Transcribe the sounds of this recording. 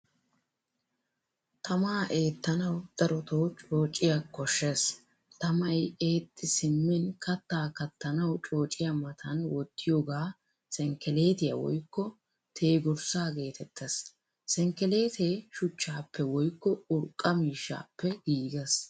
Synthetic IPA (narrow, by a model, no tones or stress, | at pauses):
t̪ʰɐmaːʔe̞ːt̪ːɐnɐwd̪̥ɐɾɔt̪oːt͡ʃʼo̞ːt͡ʃʼːɪjɐkɔʃːes | t̪ɐmɐje̞ːt̪ʼːɪsɪmːɪnkɐt̪ːaːkɐt̪ːɐnɐwt͡ʃʼo̞ːt͡ʃʼːɪjamɐt̪ʰɐnwɔt̪ːɪjoːɡaː | sɛŋkɛle̞ːt̪ɪjɐ̰wɔ̰jkːɔ | t̪ʰe̞ːɡɔɾsaːɡe̞ːt̪ɛt̪ʰːɛs | sɛŋkɛle̞ːt̪eːʃʊt͡ʃːaːpːɛwɔjkːɔʊɾkʼːɐmiːʃːa̰ːpːɛɡiːɡɛs